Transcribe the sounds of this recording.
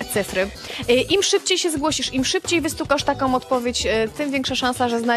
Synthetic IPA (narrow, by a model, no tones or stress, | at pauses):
t̪sɘfɾɘ | ʔimʂɘp̚t͡ɕejɕɛzɡwɔɕiʂimʂɘpt͡ɕejvɘst̪ukaʂt̪akɔ̃w̃ɔt̪pɔvʲjet͡ɕt̪ɘmvʲjɛŋkʂaʂãnsaʐɛzna